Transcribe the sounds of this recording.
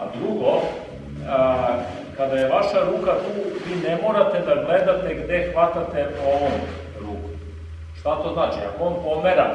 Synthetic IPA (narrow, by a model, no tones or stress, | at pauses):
a̰d̪ɾuɡo̞ | kad̪aje̞ʋaʃaɾuːkat̪uːʋiːne̞mo̞ːɾat̪e̞d̪aɡle̞d̪at̪e̞ɡd̪e̞xʋat̪at̪e̞o̞ʋom | ɾuːkom | ʃt̪at̪oznaːt͡ʃia̰koonpo̞meɾa̰